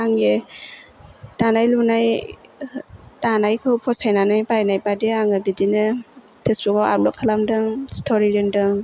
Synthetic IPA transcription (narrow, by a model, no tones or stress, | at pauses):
aŋe | tanajlunaj | tanajkʰɯpʰɔsajnanajpajnajpadiaŋɯbidinɯ | pʰesbukɔa̰lɔkʰalamdɯŋstʰɔɾiɾɯndɯŋ